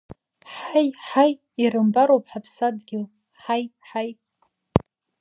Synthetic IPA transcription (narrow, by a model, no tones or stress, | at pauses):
ħajħaj | irɨmbaɾowpʼħapʰsadɡʲɪl | ħajħaj